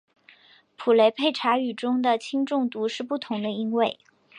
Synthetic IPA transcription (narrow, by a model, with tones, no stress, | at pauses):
pʰu˨˩le˧˥ɪpʰe˥˩ɪʈ͡ʂʰa˧˥y˨˩ʈ͡ʂʊ˥ŋd̪ə˨t͡ɕʰi˥ŋʈ͡ʂʊ˥˩ŋt̪u˧˥ʂɻ̩˥˧pu˥˩t̪ʰʊ˧˥ŋd̪ə˧i˥ŋwe˥˩ɪ